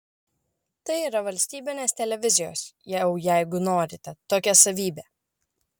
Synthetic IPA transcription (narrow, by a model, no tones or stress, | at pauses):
t̪ɐɪiːɾɐʋɐlʲsʲt̪ʲiːbʲɪnʲeːsʲt̪ʲɛlʲɛʋʲɪzʲɪjo̰ːsjɛʊjæɪɡʊnoːɾʲɪt̪ʲɛt̪oːkʲɛsɐʋʲiːbʲeː